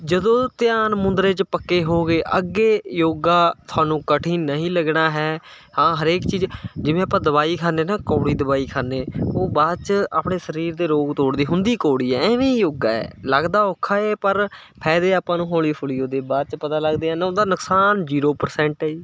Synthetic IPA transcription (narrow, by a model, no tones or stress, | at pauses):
d͡ʒəd̪õːt̪ɪjaːnmʊ̃nd̪ɾeːt͡ʃpəkːeːɦoːɡeːʔəɡeːjoːɡaːt̪ʰʊaːnũːkəʈʰĩːnəɦĩːləɡnaːɦɛː | hãːɦəɾeːkt͡ʃiːd͡ʒd͡ʒɪʋẽːaːpãːd̪əbaːiːkʰaːneːnaːkoːɽiːd̪əbaːiːkʰaːneːoːbaːd̪̚t͡ʃa̰ːpɳeːsəɾiːɾd̪eːɾoːɡt̪oːɽd̪iːɦʊnd̪iːkoːɽiːɛːɛːʋĩːjoːɡaːɛ̰ːləɡd̪aːokʰːaːeːpəɾ | pʰɛːd̪eːaːpãːnũːɦoːliːpʰʊliːoːd̪eːbaːd̪̚t͡ʃpət̪aːləɡd̪eːãːnːod̪aːnʊksaːnd͡ʒiːɾoːpəɾsɛ̃ːɳʈɛːiː